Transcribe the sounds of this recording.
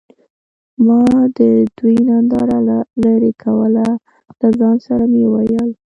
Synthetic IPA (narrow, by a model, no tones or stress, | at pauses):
mɑd̪əd̪ujnand̪ɑɾalaɾekʰawəla | ləzɑnsaɾamjewajəl